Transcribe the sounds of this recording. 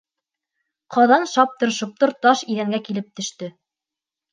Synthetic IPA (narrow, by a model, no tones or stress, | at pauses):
qʰɑðɑnʃɑp̚t̪ɤ̆ɾʃŏp̚t̪ɤɾt̪ɑʃiðæŋɡækilɘp̚t̪ɵ̆ʃt̪ɘ